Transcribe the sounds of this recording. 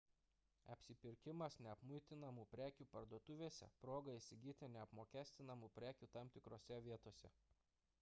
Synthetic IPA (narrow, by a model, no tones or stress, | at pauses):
ɐ̰pʲsʲɪpʲɪɾʲkʲɪmɐsnʲɛɐpmʊɪt̪ʲɪnɐmuːpʲɾʲæːkʲuːpɐɾd̪uɔt̪ʊʋʲeːsʲɛ̰pɾoːɡɐisʲɪɡʲiːt̪ʲɪnʲɛɐpmoːkʲæːsʲt̪ʲɪnɐmuːpʲɾʲæːkʲuːt̪ɑˑmʲt̪ʲɪkɾoːsʲɛʋʲiɛt̪oːsʲɛ̰